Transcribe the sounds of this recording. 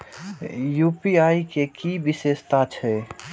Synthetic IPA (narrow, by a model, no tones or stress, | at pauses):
jupiaikekibisest̪at͡ʃʰɛ